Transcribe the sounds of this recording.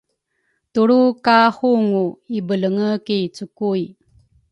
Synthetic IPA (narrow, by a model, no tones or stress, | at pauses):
tuɾukahuŋuibələŋəkit͡sukuj